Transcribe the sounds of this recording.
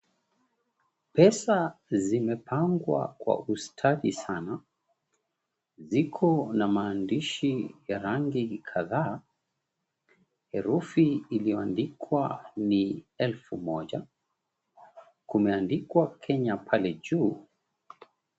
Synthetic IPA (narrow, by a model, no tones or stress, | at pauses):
pɛsazimɛpʰaŋɡwa̰kwa̰ʔustʰaɗisana | zikʰɔnamaːndiʃijaɾaŋɡikʰaðaː | hɛɾufiːliɔandikʰwaniɛlfumɔʄa | kumɛandikwakʰɛɲapʰalɛʄuː